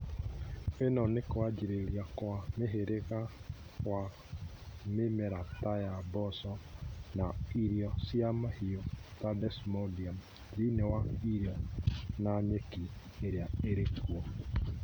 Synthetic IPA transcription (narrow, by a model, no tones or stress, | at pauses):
enɔnekoad͡ʒiɾeɾjakwameɦeɾeɣa | kwa | memɛɾatajabɔsɔnaiɾjɔsjamahiɔtadɛsmɔdiam | ɾinewaiɾjɔnaɲɛki | eɾeaeɾekuɔ